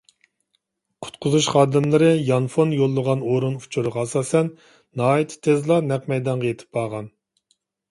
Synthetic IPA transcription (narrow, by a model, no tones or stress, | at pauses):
qʰʊ̥t̪̚qʰʊzuʃχɑːd̪ɪmlˠɨɾɨjɑnfonjolˠːəʁɑnoɾunu̥t͡ʃʰuɾʁɑsɑːsɛnː | ɑːit̪ʰt̪ʰezlˠɑnɛqmɛjd̪ɑɴʁɑjet̪ʰɪ̥p̚bɑːʁɑn